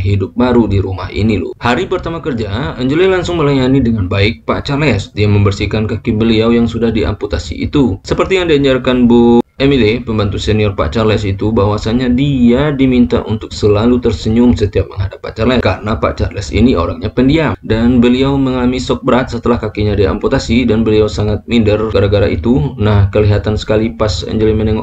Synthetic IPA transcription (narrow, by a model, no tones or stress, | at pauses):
ɦidʊp̚baɾudiɾuma̰hḭnilṵhaɾipərt̪amakərd͡ʒaəɲd͡ʒulɛlaŋsʊŋməlajanidəŋanbaɪk̚pa̰t͡ʃarlɛsdiaməmbərsikankakibəliawjaŋsudahdiʔa̰mput̪asḭḭt̪usəpərt̪ijaŋdiaɲd͡ʒarkanboemilipəmbant̪useniɔrpa̰t͡ʃarlɛs̬it̪ubaɦwasaɲadiadimint̪a̰ʔunt̪ʊk̚səlalut̪ərsəɲʊmsət̪iap̚məŋɦadapːa̰t͡ʃarlɛkaɾənapa̰t͡ʃarlɛsḭnio̰ɾaŋɲapəndiadanbəliawməŋamisɔk̚bəɾat̪̚sət̪əlahkakiɲadia̰mput̪asidanbəliawsaŋat̪̚mindərɡaɾaɡaɾaʔit̪unahkəliɦat̪ansə̥kalipasɛ̰ɲd͡ʒəlimənɛŋɔ